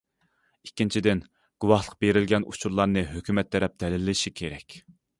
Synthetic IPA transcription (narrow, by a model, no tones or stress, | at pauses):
ikʲːint͡ʃʰid̪ɪn | ɡ̥uwɑhlˠəq̚beɾɪlɡʲɛnṵt͡ʃʰuɾlˠɑɾnɨɦøkʲymɛt̪ːɛɾɛp̚d̪̥ɛlɪlːɪʃikʲʰeɾɛkʲ